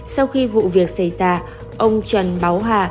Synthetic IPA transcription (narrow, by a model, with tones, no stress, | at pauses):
sa˧wxi˧vṵ˧˨vi˨˩ək̚sa˧˩jzaː˧ | ʔə˧wŋ͡mt͡ɕə˨˩nɓa˨˦wɦaː˨˩